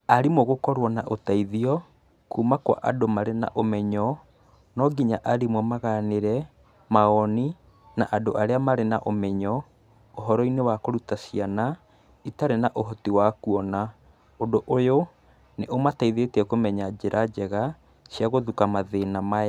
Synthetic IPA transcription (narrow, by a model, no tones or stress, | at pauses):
aɾimwoɣokɔɾwɔnaʔotaiðiɔ | kumakwa̰ʔa̰domaɾena̰ʔomɛɲɔ | nɔɡiɲaʔaɾimwɔmaɣaneɾɛ | maɔni | naʔadoʔaɾeamaɾenaʔomɛɲɔ | oɦɔɾɔinewakoɾutasiana | itaɾenaʔoɦɔtiwakuɔna | odoʔojo | neʔomataiðetɛkomɛɲad͡ʑeɾʔad͡ʑɛɣa | sjaɣoðukamaðenama